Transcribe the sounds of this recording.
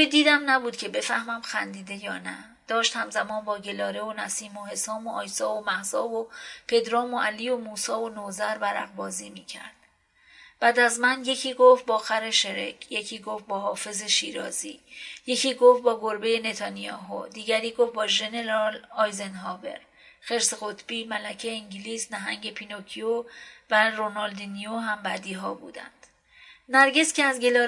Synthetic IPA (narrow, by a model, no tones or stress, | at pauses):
ujd̪iːd̪æmnæbuːd̪cʰe̞be̞fæhmæmxænd̪iːd̪e̞jɒːnæ̰ | d̪̥ɒːʃt̪hæmzæmɒːnbɒːɟe̞lɒːɾe̞onæsiːmoɦe̞sɒːmoʔɒːjsɒːvomæhzɒːvopʰe̞d̪ɾɒːmo̞ʔæliːo̞muːsɒːonoːzæɾbæɾæ̰ɣbɒːziːmiːcʰæ̰ɾd̪̥̚ | b̥æːd̪æzmænje̞cʰiːɡoft̪̚bɒːxæɾeʃe̞ɾḛcʰje̞cʰiːɡoːft̪̚bɒːɦɒːfe̞zeʃiːɾɒ̰ːzḭːje̞cʰiːɡoft̪̚bɒːɡoɾbe̞je̞ne̞t̪ʰɒnijɒːɦo̰d̪iːɟæɾiːɡof̚bɒːʒe̞ne̞ɾɒlɒːjzenɦɒːbe̞̰ɾ | xe̞ɾseɣo̞t̪ʰb̥iːmælæcʰeiŋɟiliːsnæɦæŋɟe̞pʰinocʰiovæɾonɒːld̪inioɦæmbæːd̪iːɦɒːbṵːd̪æ̰nd̪̥ | næɾɟe̞scʰeæzɟe̞lɒː